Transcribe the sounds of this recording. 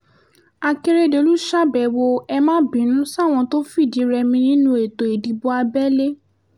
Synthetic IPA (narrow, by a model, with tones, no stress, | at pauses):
a˧ke˧ɾe˦˨de˨˦lu˦ʃa˦bɛ˨wo˧ɛ˧mãː˦bĩ˨˦nũ˨˦sa˦˨w̃ɔ̃˧to˦fi˦˨di˨˦ɾɛ˧mĩ˧nĩ˦nũ˧˦e˨to˨e˨di˨bo˧a˧bɛ˦le˦